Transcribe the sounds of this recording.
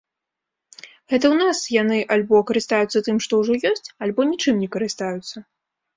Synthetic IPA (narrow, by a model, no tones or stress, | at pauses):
ɣɛt̪̬ɐwnasjanɨʔalʲbɔkɐɾɨst̪ajut̪sːɐt̪ɨmʂt̪ɔwʐɔjɔsʲt͡sʲalʲbɔnʲit͡ʂɨmnʲɛkɐɾɨst̪ajut̪sːɐ